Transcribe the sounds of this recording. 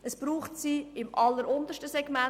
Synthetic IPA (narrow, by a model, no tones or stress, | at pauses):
əsb̥ɾuːχtsiɪmʔɑlːəɾʊnd̪əʃtəsɛɡ̥mæ